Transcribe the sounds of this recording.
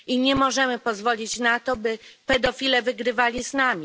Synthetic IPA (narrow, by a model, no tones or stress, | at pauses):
iɲɛmɔʐɛmɘpɔzvɔlʲit͡ɕnat̪ɔbɘpɛd̪ɔfʲilɛvɘɡɾɘvalʲiznamʲi